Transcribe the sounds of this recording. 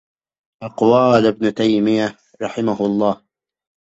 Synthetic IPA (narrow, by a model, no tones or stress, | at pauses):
ʔaqʊwaːlɪbnʊt̪ajmɪja | ɾˤɑħɪmaɦʊɑlˤːɑːh